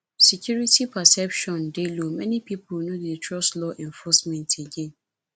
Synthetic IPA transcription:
sɛkʰjuɹitipʰasɛpʃɔ̃ndelomɛnipiplnodetʰɹɔstlɔʔɛ̃ɱfɔsmɛ̃ntʰeɡẽn

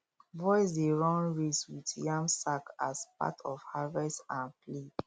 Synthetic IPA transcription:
vɔɪsdeɹɔ̃ŋɹeswitjãmsakasp̚a̰tʰɔfhavɛstãnpled

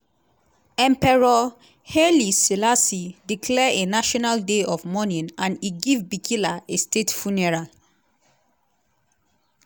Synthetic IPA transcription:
ɛ̃mpɛɹɔ | heliselasidikʰlɛenaʃɔnaldeɔvmɔnĩnãniɡivbikʰilaestetfunɛɹal

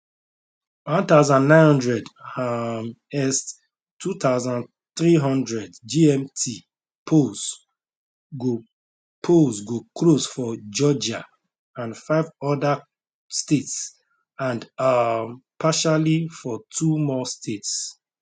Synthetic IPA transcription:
wɔ̃nt̪aʊzãnːãɪ̃nhɔ̃ndɹɛdam | ɛst | tʰːut̪aʊzãn | θɹiɦɔ̃ndɹɛdd͡ʒiɛ̃mtʰi | pʰos | ɡo | pʰosɡoklosfɔd͡ʒɔd͡ʒa | ãnfaɪvɔda | stets | ãndampʰaʃalifɔtʰumɔstʰets

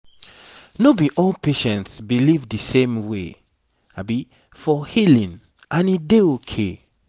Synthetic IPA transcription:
nobiʔɔlpeʃɛ̃ntsbilivdɨsẽmwe | abi | fɔhilĩn | ʔãnideokʰe

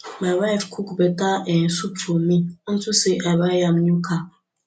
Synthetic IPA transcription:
mãwaifkʰukbɛtaɛn̩sub̚tʰomĩn̩susɛʔabajãmnũkʰa

